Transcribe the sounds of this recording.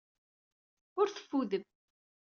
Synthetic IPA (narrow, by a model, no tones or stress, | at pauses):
ʊɾθə̥fːuðəm